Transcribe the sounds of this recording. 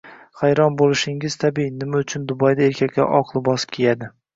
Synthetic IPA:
χajɾɒnbolˠɪʃɪŋɪz̥t̪ʰabinɪmaʊt͡ʃʰʊnd̪ʊbɒjd̪ae̞ɾkʲʰakʲːa̰ʔɒqʰlˠɪbɒskʲʰejad̪ɪ

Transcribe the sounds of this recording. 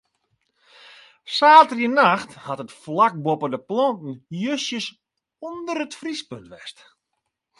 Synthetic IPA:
saːtərjənaxthatətflak̚bopədəplɔntn̩jøsjəs | ɔndərətfrispøntʋɛst

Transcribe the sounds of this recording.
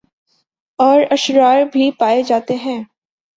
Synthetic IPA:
ɔːɾɐʃɾaːɾbʱipaːed͡ʒaːt̪eɦɛ̃ː

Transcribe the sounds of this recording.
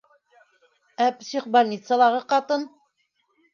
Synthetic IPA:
æpsiχbalʲnʲit̪səlˠɑʁɤqɑt̪ɤn

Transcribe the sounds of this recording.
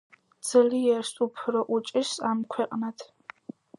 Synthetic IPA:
d͡z̥ɨlijɛrsupʰroʔut͡ʃʼɪʃamkʷʰɛqʼnatʰ

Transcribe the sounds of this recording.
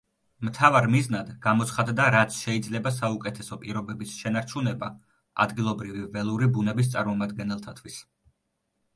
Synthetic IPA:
mt̪ʰavaɾmiznad̪ɡamɔt̪sχad̪d̪aɾat̪sʰʃɛid̪zlɛbas̬aukʼɛt̪ʰɛsɔpʼiɾɔbɛbisʃɛnaɾt͡ʃʰunɛba | a̰d̪ɡilˠɔbɾivivɛlˠuɾibunɛbis̬t̪sʼaɾmɔmad̪ɡɛnɛlˠt̪ʰat̪ʰwis

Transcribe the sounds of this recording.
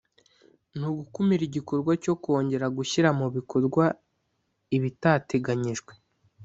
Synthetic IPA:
n̥uɡukumiɾiɟiko̞ɾɡwaco̞ko̞ːɲɟe̞ɾaɡuçiɾamuβikʰo̞ɾɡwa | iβitaːte̞ɡaɲiʒɡwe̞

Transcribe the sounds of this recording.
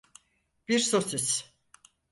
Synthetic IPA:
b̥iɾsosiz̥

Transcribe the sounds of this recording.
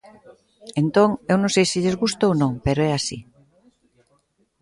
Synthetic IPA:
ent̪õŋewnõŋsejsiʎezɣust̪oonõŋpeɾoɛasi

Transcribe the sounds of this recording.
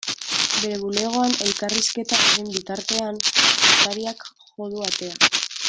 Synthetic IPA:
be̞ɾe̞βule̞ɣ̞o̞ane̞lkariske̞t̪aʔeɾembit̪aɾt̪e̞anok̪aɾiak | xo̞ðuat̪e̞a

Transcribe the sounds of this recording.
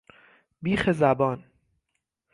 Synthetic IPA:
biːxezæbɒːn

